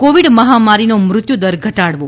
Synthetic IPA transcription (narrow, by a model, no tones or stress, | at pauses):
koʋiɽməɦamaɾinomɾʊt̪jud̪əɾɡʱəʈaɽʋo